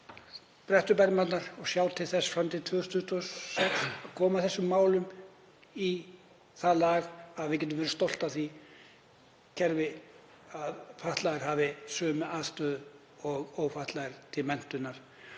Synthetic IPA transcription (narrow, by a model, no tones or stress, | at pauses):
pɾɛht̪ʏpɛɾmat̪naɾ̥ɔɣsjaːwt̪ʰɪlθɛsfɾamt̪ʰɪt̪ʰvʏːɣʏst̪ʰʏht̪ʰuɔssɛksaðkʰɔːmaθɛsːʏmːaːwlʏm | i | θalaːɣaðvɪcɛt̪ʏmvɛɾʏst̪owl̥t̪aθi | cʰɛɾvɪ | aðfaht̪laɣɪɾ̥ɦaːvɪsœːmʏʔaːðst̪œːðʏ | ɔɣoːwfaht̪laɣɪɾ̥t̪ʰɪlmɛn̥t̪ʏnaɾ̥